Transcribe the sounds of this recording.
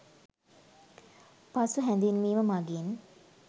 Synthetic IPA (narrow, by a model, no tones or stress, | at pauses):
pasuɦɛnd̪inmiːməmaɡin